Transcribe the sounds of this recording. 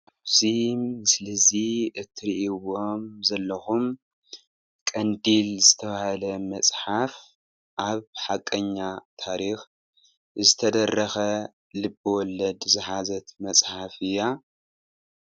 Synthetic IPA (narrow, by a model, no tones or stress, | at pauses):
ʔaβzimɨslɐziʔɨt̪ʰːɨɾiʔiwo̞mzɐlːɐxum | kʼɐnd̪ilzɨt̪ʰɐβahalɐmɐsʼħaf | ʔaβħakʼːɐɲːat̪ʰaɾix | zɨt̪ʰɐd̪ɐrːɐxɐ | lɨbːɨwɔlːɐd̪zɨħazɐt̪mɐsʼħafɨjːa